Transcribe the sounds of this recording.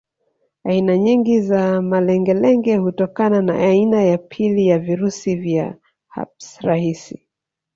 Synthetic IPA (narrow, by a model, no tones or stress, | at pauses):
ainaɲiŋɡizamalɛŋɡɛlɛŋɡɛhutɔkanana̰ainajapʰilijaviɾusivja | ha̰psɾahisi